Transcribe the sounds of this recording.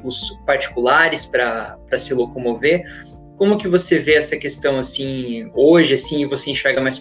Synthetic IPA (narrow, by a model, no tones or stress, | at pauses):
ʊspaɾt͡ʃi̥kulaɾɪspɾɐpɾɐsɪlokomoveɾ | kõmʊkɪvoseveɛsɐkest̪ɐ̃w̃asĩoʒɪasĩɪvoseẽʃɛɾɡɐmajs